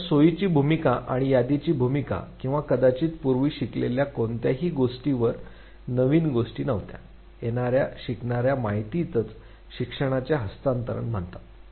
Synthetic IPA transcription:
soit͡ɕiːbʱumikaʔaɽ̃ijad̪it͡ɕiːbʱumika̰kĩw̃ʋakəd̪at͡ɕiːt̪puɾʋiːɕikleljakont̪jaɦiːɡoʂʈiʋəɾ | nəʋiːnɡoʂʈiːnəʋt̪ja̰ | jenaɾjaɕikɳaɾjamaɦit̪iːt̪ət͡s | ɕikʂəɽ̃at͡ɕjaɦəst̪ant̪əɾə̰ɳm̤əɳt̪a

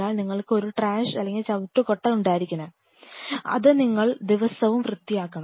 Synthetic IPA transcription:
aːɭniŋːɐɭkɨo̞ɾuʈraːʂɐlːeŋɡilt͡ɕɐʋutːukoʈːɐnuɳɖaːjiɾikʲːunɐ | ɐ̰ðɨniŋːɐɭd̪iʋɐsɐʋumʋrɨt̪ːijaːkːɐɳ

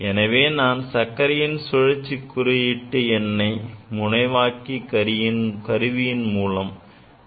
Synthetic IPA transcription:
ʔɛnɐʋeːnaːnsɐkːɐɾɪjɪnsʊɻɐt͡ʃːikːʊɾɯjɪʈːɯɛnːɐɪmʊnɐɪʋaːkikɐɪnkɐɾɯʋɪjɪnmuːlɐm

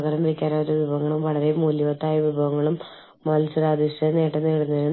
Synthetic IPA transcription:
ɣɐɾɐmɐɽikʲːaːɾaːjɾuʋibʱɐɣɐŋːɐɭumʋɐɭɐɾemuːljɐʋɐt̪ːaːjɐʋibʱɐɣɐŋːɐɭumː | ɐlsuɾaːd̪ʱiʂɐneːʈːɐnːeːɽunːɐɾun

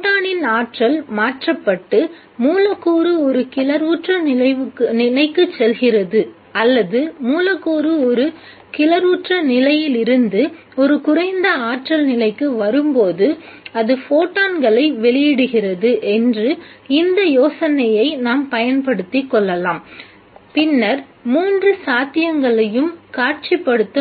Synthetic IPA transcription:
oʈaːnɪnaːʈrɐlmaːʈrɐpːɐʈːɯ | muːlɐkːuːɾɯɔɾɯkɪlɐɾuːʈrɐnɪlɐkːnɪlɐɪkːɯt͡ʃːɛlɣɪrɐðɯ | ɐlːɐðɯmuːlɐkːoːɾɯɔɾɯ | kɪlɐɾuːʈrɐnɪlɐjɪlɪɾɯnd̪ɯ | ɔɾɯkʊrɐɪnd̪ɐaːʈrɐlnɪlɐɪkːɯʋɐɾɯmpoːðɯɐðɯfoːʈːaːnɡɐɭɐɪʋɛɭɪjɪɽɯɣɪrɐðɯʔɛndrɯɪnd̪ɐjoːsɐnɐjɐɪnaːmpɐjɐnpɐɽɯt̪ːɪkːɔɭːɐlaːm | pɪnːɐɾ | muːndrɯsaːt̪ɪjɐŋɡɐɭɐjɯmkaːʈ̚t͡ʃipːɐɽɯt̪ːɯ

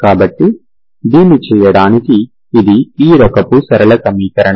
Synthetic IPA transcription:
kaːbɐʈːi | d̪iːnit͡ʃɛːjɐɽaːnikiː | d̪iiːɾɔkɐpusɐɾɐlɐkɐmiːkɐɾɐɳɐ

